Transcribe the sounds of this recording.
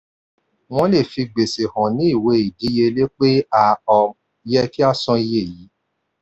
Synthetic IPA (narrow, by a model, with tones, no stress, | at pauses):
w̃ɔ̃˦le˦˨fi˧ɡ͡be˨se˨hɔ̃˨nĩ˨˦i˦˨we˧i˨di˨˦je˧le˦k͡pe˦a˧ɔ˧ | jɛ˦˧ki˦a˦sɔ̃˧i˧je˦˨ji˨˦